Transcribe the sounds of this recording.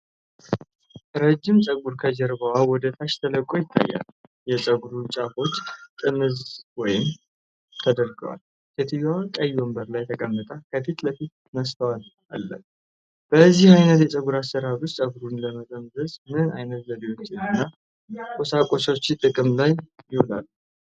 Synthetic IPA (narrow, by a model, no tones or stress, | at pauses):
ɾəd͡ʒːɪmsʼəɡuɾkʰəd͡ʒɛɾbəwawɔd̪ət̪ʰaʃt̪ʰələkʼːo̞jɪt̪ʰːa̰jːa̰ljɛsʼəɡuɾut͡ʃʼafo̞t͡ʃːt̪ʼɨmɨzwɔjɪm | t̪ʰəd̪əɾɡə̰wa̰l | kʰet̪ʰijwakʼəjːwɔmbəɾlajt̪ʰəkʼəmːət̪ʼakʰəfit̪ləfit̪ | nəst̪ʰəwal | a̰lːə̰ | b̥əzːihajnət̪jɛsʼəɡuɾasːəɾaɾʊssʼəɡuɾunləməzəmzəzmɨnɨna̰jnət̪zəd̪iwo̞t͡ʃːɪnɨnːa | kʼosakʼo̞so̞t͡ʃːt̪ʼɨkʼɨmlajjɪhola̰lː